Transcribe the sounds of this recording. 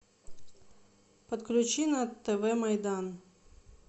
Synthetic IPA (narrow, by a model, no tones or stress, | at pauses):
pət̪klʲʉt͡ɕinɐt̪ːɛvɛmɐjd̪an